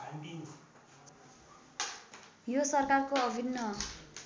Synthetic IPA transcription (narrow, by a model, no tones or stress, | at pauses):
i | josʌrkarkoʌbʱinːʌ